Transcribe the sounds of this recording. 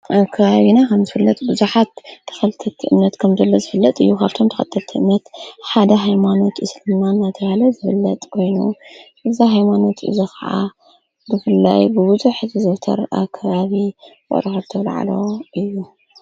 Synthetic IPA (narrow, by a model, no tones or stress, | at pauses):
ʔakʰaβaβinakʰɐmzɨfɨlːɐt̪ʼbɨzuħat̪t̪ʰːɐ̥xɐlɨt̪ʰɐt̪ʰiʔɨmnɐt̪kʰɐmzɐlːozɨfɨlːɐt̪ʼɨjːukʰaβt̪ʰo̞mt̪ʰɐ̥xɐt̪ʰːɐlt̪ʰiʔɨmnɐt̪ħad̪ɐɦajmano̞t̪ʔɨslɨmanːajt̪ʰɐβahlɐzɨfɨlːɐt̪ʼkʰo̞jnṵʔɨzaɦajmano̞t̪ʰɨ̰zixɐʕa̰ | bɨfɨlːa̰jbɨbɨzuħzɨzot̪ʰɐ̰ɾa̰kʰːaβaβiwo̰ɾɐxɐɾt̪ʰɐβlʕa̰lo̞ʔɨjːu